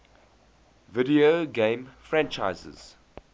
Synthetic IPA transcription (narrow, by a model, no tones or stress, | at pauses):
vɪdioɡẽɪ̃mfɹæ̃nt͡ʃa̰ɪzə̰z̥